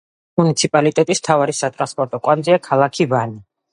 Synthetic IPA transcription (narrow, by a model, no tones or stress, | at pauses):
munit̪sʰipʼalit̪ʼɛt̪ʼism̥t̪ʰavaɾisat̪ʼɾanspʼɔɾt̪ʼɔkʼwanziakʰalˠakʰivani